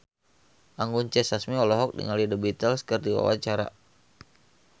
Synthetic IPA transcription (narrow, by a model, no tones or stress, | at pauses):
ʔaŋɡuɲt͡ʃɛsasmiɔlɔɦɔk̚dḭŋalidəbit̪əlskərdiwa̰wa̰t͡ʃaɾa̰